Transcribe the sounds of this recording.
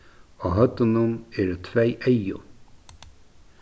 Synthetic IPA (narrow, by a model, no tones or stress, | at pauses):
ɔɣɦœt̪ːʊnʊmɛɾʏt̪ʰvejʔejʊ̰